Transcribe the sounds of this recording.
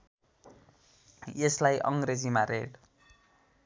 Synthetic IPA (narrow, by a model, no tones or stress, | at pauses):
jeslajʔʌŋɡred͡zimaɾeɽ